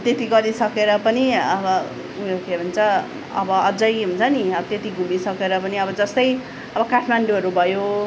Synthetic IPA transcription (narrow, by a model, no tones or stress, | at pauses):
t̪et̪iɡʌɾisʌkeɾʌpʌniʌbʌ | ujokeɦunt͡sʰʌ | ʌ̰bʌʌd͡zʌjɦunt͡sʰʌniʌbʌt̪et̪iɡʱumisʌkeɾʌpʌniʌbʌd͡zʌst̪ʌj | ʌbʌkaʈʰmaɳɖuɦʌɾubʱʌjo